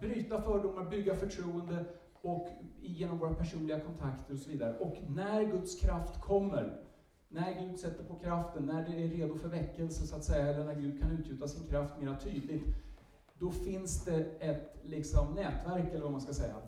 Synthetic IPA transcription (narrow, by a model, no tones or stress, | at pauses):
bɾyːt̪afœːɖʊmːaɾbʏɡːafœʈʰɾuːənd̪ə | ɔkjeːnɔmvoːɾapʰæʂuːnlɪɡakʰɔnt̪ʰakt̪əɾɔsɔviːd̪aɾə̰ʔɔknæɾɡɵt̪skʰɾaft̪kʰɔmːəɾ | næɾɡʉ̟ːd̪sɛt̪ːəɾpʰɔkʰɾaft̪ənːæɖɛæːeːd̪ʊfœɾvɛkːəlsəsʊat̪sɛjːaɛlːəɳæɾɡʉ̟ːd̪̚kʰanʉ̟t̪jʉːt̪asɪnkʰɾaft̪meːɾat̪ʰyːd̪lɪt̪ | d̪ɔfɪnsd̪ɛɛt̪lɪksɔmnɛːt̪væɾkɛlːəɾvamanskasɛjːa̰